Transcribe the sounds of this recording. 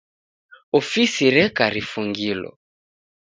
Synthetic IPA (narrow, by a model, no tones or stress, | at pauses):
ɔfisiɾɛkaɾifuŋɡilɔ̰